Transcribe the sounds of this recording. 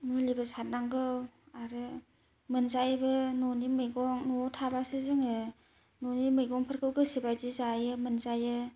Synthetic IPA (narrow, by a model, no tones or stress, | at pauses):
mulibasat̚naŋɡɯw | aɾɯ | mɯnzajbɯnɔnimɯjɡɔŋnɔtʰabasezɯŋɯ | nɔnimɯjɡɔŋpʰɯɾkʰɯwɡɯsebajdizajɯmɯnzajɯ